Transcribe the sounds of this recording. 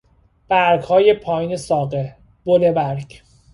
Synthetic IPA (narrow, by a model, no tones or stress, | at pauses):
b̥æɾɡhɒːje̞pʰɒːjiːne̞sɒːɣe | b̥olebæɾɡ